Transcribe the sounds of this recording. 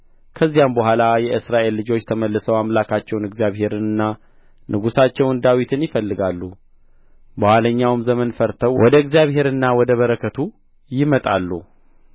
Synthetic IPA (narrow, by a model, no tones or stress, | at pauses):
kʰəzːijambəɦʷalajɛʔɨsɾaʔe̞lːɨd͡ʒo̞t͡ʃːt̪ʰəməlːɨsəwamlakʰat͡ʃːɛwnɨɡzijaβhe̞ɾɨnɨnːa | nʔɨɡusat͡ʃːɛwɨnd̪awit̪ʰɨnjɪfəlːɨɡalːu | bəhaləɲːawɨmzəmənfəɾt̪ʰəwwɔd̪əɨɡzjaβɦe̞ɾɨnːawɔd̪əβəɾəkʰːət̪ʰu | jɪmət̪ʼalːu